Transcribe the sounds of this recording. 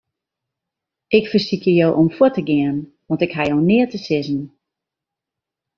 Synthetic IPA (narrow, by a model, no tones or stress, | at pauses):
ʔɪkfərsikʰəjowʔɔmfotəɡɪən | ʋɔntɪkɦajoːnɪətəsɪzən̩